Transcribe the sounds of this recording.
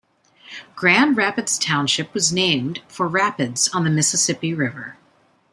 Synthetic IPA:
ɡ̥ɹæ̃ndɹæpɨdz̥tʰãʊ̃nʃɨpwʌznẽɪ̃md̥fə˞ɹæpɨdz̥n̩ðɨmɪsɨsɪpiɹɪvə˞

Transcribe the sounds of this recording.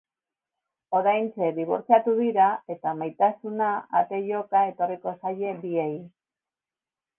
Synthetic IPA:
o̞ɾajnt͡se̞d̪iβ̞o̞̰ɾt͡siat̪uðiɾae̞t̪amajt̪asunaa̰t̪e̞ʎo̞kae̞t̪o̞riko̞saje̞biej

